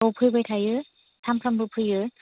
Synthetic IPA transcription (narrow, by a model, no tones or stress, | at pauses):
ɔwpʰɯjbɯjtʰajɯ | tʰampʰɾambɯpʰɯjɯ